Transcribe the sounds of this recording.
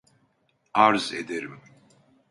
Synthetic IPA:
aɾzḛd̪eɾim

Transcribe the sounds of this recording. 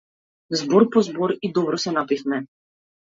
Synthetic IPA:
zbɔɾpɔzbɔɾid̪ɔbɾɔsɛnapixnɛ

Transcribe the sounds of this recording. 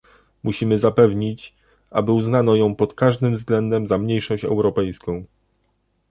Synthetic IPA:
muɕimɘzapɛvɲit͡ɕ | a̰bɘuznanɔjɔ̃w̃pɔt̪kaʐd̪ɘmvzɡlɛnd̪ɛmzamɲejʂɔɕt͡ɕɛ̰wɾɔpɛjskɔ̃w̃

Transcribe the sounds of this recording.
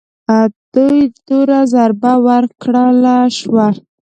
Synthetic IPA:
ad̪ujd̪uɾazaɾbawaɾkɽəlaʃwa

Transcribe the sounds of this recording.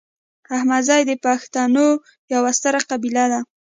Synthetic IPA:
ahmad̪zɑjd̪əpaxt̪ɑno | jawast̪aɾaqabilad̪a

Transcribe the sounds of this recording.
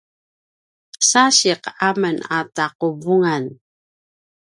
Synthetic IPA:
saɕiqamənataquvuŋan

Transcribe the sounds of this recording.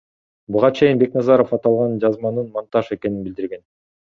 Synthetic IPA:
buʁɑt͡ʃʰe̞jinbe̞knɑzɑɾofɑt̪ɑlˠʁɑnd͡ʒɑzmɑnɯnmɑnt̪ɑʃe̞ke̞ninbild̪iɾɡe̞n

